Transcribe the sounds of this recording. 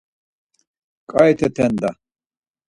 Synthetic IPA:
kʼajt̪ʰɛt̪ʰɛnd̪a

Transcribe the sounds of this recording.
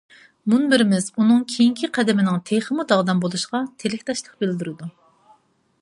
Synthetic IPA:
munbɪɾɪmɪzunɨŋkʲʰejiŋkʲʰiqʰæd̪ɪmɪnɪŋt̪ʰeχəmud̪ɑʁd̪ɑmbolˠuʃqɑt̪ʰelɪkʲt̪ʰɑʃlˠəq̚bɪld̪yɾɪd̪u

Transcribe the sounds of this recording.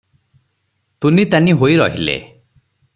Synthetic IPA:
t̪unit̪aniɦoiɾɔɦilḛ

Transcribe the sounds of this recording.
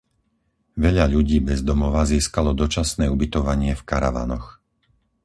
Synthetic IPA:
ʋɛʎaʎuɟiːbɛzd̪ɔmɔʋaziːskalɔd̪ɔt͡ʃasnɛːubit̪ɔʋaɲɪɛfkaɾa̰ʋa̰nɔx

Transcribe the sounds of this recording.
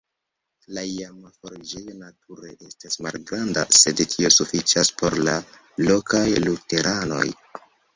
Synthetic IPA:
laiamafoɾid͡ʒejo̞natʰuɾe̞ʔe̞stasmalɡɾanda̰se̞dtʰio̞sufit͡ʃaspo̞ɾla | lo̞kajlute̞ɾʔano̞̰j

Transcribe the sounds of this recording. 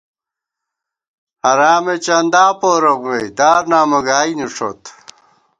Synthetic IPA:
hɐɾaːmet͡ɕɐnd̪aːpoːɾɐɣwejd̪aːɾnaːmɐɡaːiniʂʰot̪

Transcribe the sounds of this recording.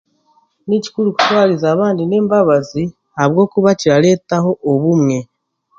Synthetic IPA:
nici̥kuluku̥twaːlizaːβaːndine̞ːmbaβazi | haβwo̞ːkuβaciɾale̞ːtaɦo̞ʔːβumŋe̞

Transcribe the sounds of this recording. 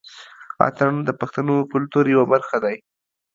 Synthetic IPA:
ɑ̰t̪and̪əpaxt̪anokʊlt̪uɾjawabaɾxad̪aj

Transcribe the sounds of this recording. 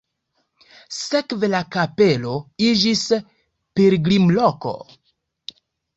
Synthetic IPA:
se̞kve̞lakape̞lo̞id͡ʒis | peɾɡlimloko̞̰

